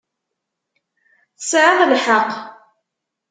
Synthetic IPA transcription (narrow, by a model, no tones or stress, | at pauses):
θəsʕaðlħəq